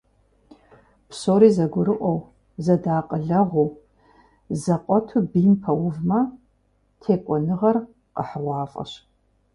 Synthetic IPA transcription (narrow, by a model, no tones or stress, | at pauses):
psoːɾiːzɐɡʷʊɾɨʔʷɔw | zɐdaːqʼəɮɐʁʷu | zɐqʷʼɔtʰubiːmpʰɐwʊvmɐ | tʰeːkʷʼɔnɨʁɐr | qʼəħəʁʷɑːfʼɐ̰ɕ